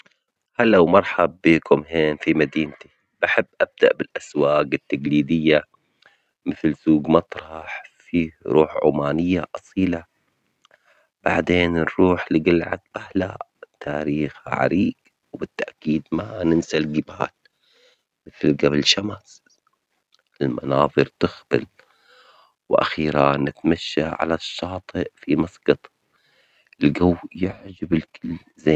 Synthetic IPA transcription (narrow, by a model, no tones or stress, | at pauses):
halːawmɑɾˤħabːiːkʰʊmɦeːnfimad̪iːnt̪i̥ | b̥aħɪbːʔab̚d̪aʔbɪlʔaswaːɡɪt̪ːaɡliːd̪ɪjːa | mɪθlsuːɡmɑt̪ˤɾˤɑħfiːɾˤʔuːħʕṵmaːnɪjːaʔɑsˤiːla | b̥aʕd̪eːnɾuːħlɪɡɪlʕa̰t̪̚bahla̰ | t̪ʰaːɾiːxa̰ʕa̰ɾiːɡ | wbɪt̪ːaʔkiːd̪manɪnsalɡɪba̰ːl | mɪθlɡabɪlʃamas | ʔɪlma̰nɑːðˤɨɾt̪ɪxbɪ̰l | wʔa̰xiːɾanɪt̪maʃːaʕa̰laʃːɑːt̪ˤɨʔfimɑsˤɡɑt̪ˤ | ɪlɡawːjɪʕd͡ʒabɪlkɪl | zeː